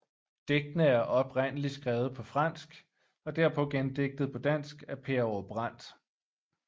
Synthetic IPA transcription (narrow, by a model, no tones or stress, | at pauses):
d̥eɡ̥̚d̥nəæɐʔɒ̽b̥ʁen̰əlisɡ̥ʁɛːʊð̞̩ˠpʰɒ̽fʁɑ̈n̰sɡ̥ | ɒ̽d̥æɐpʰɒ̽ɡ̥end̥e̝ɡ̥̚d̥ð̞̩ˠpʰɒ̽d̥æn̰sɡ̥æpʰe̝ɐɒb̥ʁɑ̈n̰d̥